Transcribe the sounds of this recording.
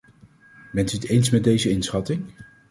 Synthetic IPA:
bɛntyətejnsmɛd̚dejzəɪnsχɑtɪŋ

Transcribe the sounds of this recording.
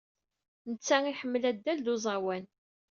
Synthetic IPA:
nət͡sːæŋiħəmːəlæd̪ːæld̪ozˤɑwæn

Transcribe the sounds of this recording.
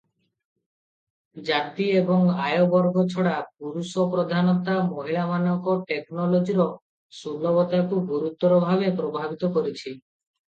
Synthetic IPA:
d͡ʒat̪iebɔŋajobɔɾɡɔt͡ʃʰɔɽap̚uɾusɔpɾɔd̪ʱanɔt̪amoɦiɭamanɔŋkɔʈeknɔlod͡ʒiɾɔ | sulɔbɔt̪akubʱuɾut̪ːɔɾɔbʱabepɾobʱabit̪ɔkɔɾit͡ʃʰi

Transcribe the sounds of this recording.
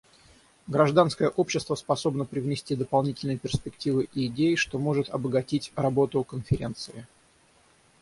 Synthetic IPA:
ɡɾɐʐd̪anskəjəʔo̞pɕːɪst̪vəspɐso̞bnəpɾʲɪvnʲɪsʲtʲid̪əpɐlˠnʲitʲɪlʲnɨjəpʲɪrspʲɪktʲivɨʔiːdʲejɪʂt̪o̞mo̞ʐɨt̪ɐbəɡɐtʲitʲrɐbo̞t̪ʊkənfʲɪɾʲent̪sɨɪ

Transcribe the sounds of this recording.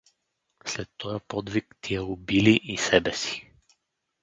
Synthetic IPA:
slɛt̪ːɔjapɔd̪vikt̪ʰiɛobiliʔisɛbɛsi̥

